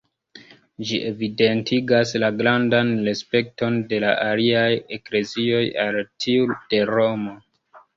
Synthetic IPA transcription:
d͡ʒiʔe̞vide̞ntʰiɡaslaɡɾandanɾe̞spe̞k̚to̞nde̞la̰ʔaliaje̞kle̞zio̞jaltʰiud̥e̞ɾo̞mo̞

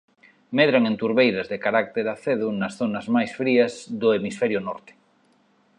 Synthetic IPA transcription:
meðɾaŋẽnt̪uɾβejɾazðekaɾak̚t̪eɾaθeð̞unasθonazmajsfɾiazðʊemisfɛɾjʊnɔɾt̪e̥

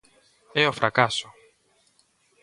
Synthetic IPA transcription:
ɛofɾʔakaso

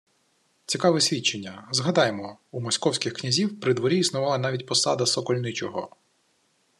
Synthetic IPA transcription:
t͡sʲikɑʋɛsʲʋʲit͡ʃenʲːɐzɦɐd̪ɑjemɔumɔsʲkɔwsʲkʲɪxknʲɐzʲiwpɾɪd̪ʋɔɾʲiːsnʊʋɑlˠɐnɑʋʲitʲpɔsɑd̪ɐsɔkɔlʲnɪt͡ʃɔɦɔ̰

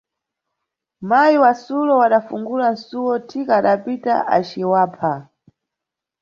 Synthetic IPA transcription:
majiwasulɔwaɗafuŋɡulan̩suwɔtʰikaːɗapita̰ʔa̰t͡ʃiwaːpʰa

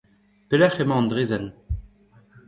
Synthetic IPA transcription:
pelɛχemɑ̃ːnd̪ʁeːzɛn

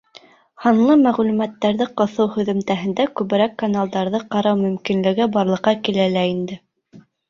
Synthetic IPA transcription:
hɑnlˠɤmæʁlʉmæt̪ːæɾðɘqŏθɤwhɵ̆ðɵ̆mt̪æɦɘ̆nd̪ækʉβɘ̆ɾækːanalˠd̪ɑɾðɤqɑɾɑwmɵ̆mkinlɘ̆ɡɘbɑɾlˠɤ̆qːɑkilælæind̪ɘ

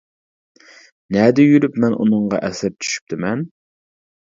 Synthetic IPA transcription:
nɛd̪ɪjyɾypmɛnʔṵnɨɴʁɑ̰ʔɛsæɾ̚t͡ʃʰy̥ʃy̥p̚t̪ɪmɛn

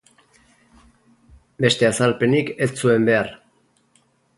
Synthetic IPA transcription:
be̞st̪e̞asalpe̞niket͡sːue̞mbe̞ar

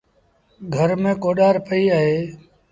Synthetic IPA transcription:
ɡʱəɾmẽːkoːɗaːɾpəiːaːɦeː

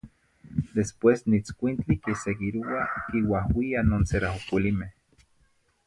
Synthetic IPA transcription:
d̪espwesnit͡skʷint͡ɬikiseɡiɾuakiwahwianoːnseɾahukilimeh

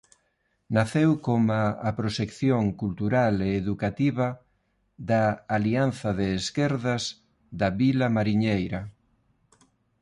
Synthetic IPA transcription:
naθewkomaapɾoʃekθjoŋkult̪uɾaleːðukat̪iβɐ | ðɐːlianθɐðeːskeɾðɐz | d̪aβilɐmaɾiɲejɾɐ

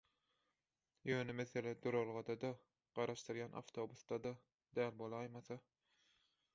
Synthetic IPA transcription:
jøːnemeθe̞led̪uɾolˠʁɑd̪ɑd̪ɑ | ɢ̥ɑɾɑʃt̪ɯɾjɑnʔɑ̰ft̪ʰo̞busd̪ɑd̪ɑ | d̪æːlbolˠɑːjmɑθɑ

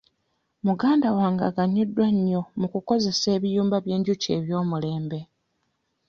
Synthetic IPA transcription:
muɡaːndawaːŋɡa̰ɡaɲːodːwaɲːo̞mukuko̞ze̞se̞ːβijuːmbaβje̞ːɲɟuce̞̰ːβjo̞ːmule̞ːmbe̞

